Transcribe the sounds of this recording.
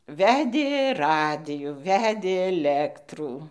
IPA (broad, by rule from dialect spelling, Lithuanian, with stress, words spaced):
ˈʋʲæːdʲeː ˈrɑːdʲɪjuː ˈʋʲæːdʲeː ɛˈlʲæːktruː